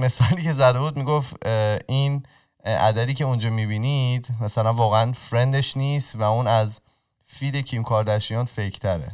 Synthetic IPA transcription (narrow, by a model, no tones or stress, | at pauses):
me̞sɒːliːcʰe̞zæd̪e̞buːd̪miːɡofiːn | æ̰d̪æd̪iːcʰe̞und͡ʒɒːmibinid̪mæsælænvɒːɣeænfɾe̞nd̪eʃniːst̪væuːnæz | fiːd̪e̞cʰimkʰɒːɾd̪æʃijɒːnfecʰt̪ʰæɾḛ